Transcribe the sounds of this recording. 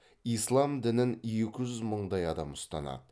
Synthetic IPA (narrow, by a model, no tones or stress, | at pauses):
ijslˠɑmd̪ɪnɪnjekʲɪʒʏzməɴd̪ɑjɑd̪ɑmʊst̪ɑ̰nɑ̰d̪ə